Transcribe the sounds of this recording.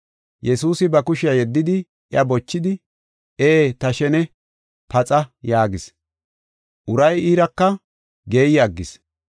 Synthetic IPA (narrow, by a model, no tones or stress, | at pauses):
jɛsuːsɪbɐkʊʃɪjɐjɛd̪ːɪd̪ɪ | ʔjɐbɔt͡ʃːɪd̪ɪ | ʔeːt̪ɐʃɛnɛ | pɐt͡sʼɐjaːɡɪs | ʔʊɾɐjiːɾɐkːɐ | ɡe̞ːjɐɡːɪs